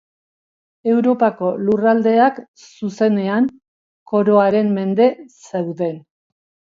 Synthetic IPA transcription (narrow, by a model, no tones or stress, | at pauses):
e̞wɾo̞pako̞lurald̪e̞ak | suse̞ne̞aŋ | ko̞ɾo̞aɾe̞mme̞nd̪e̞sewðe̞n